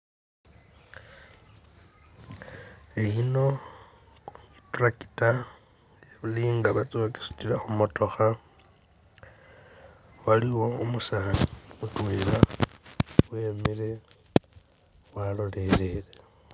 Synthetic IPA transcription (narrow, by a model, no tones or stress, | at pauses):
eino̞ | ituraki̥ta | jeβuliːŋɡaβat͡sʼoki̥su̥tilaxumo̞to̞xa | waliwo̞umusaːlimutweːla | we̞ːmile̞ | walo̞le̞lele